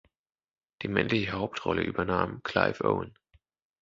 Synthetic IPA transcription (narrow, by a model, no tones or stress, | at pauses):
d̥iːmɛnlɪçəhaʊp̚tʁɔləʔy̰ːbɐnaːmkʰl̥aɪfʔo̰ʊn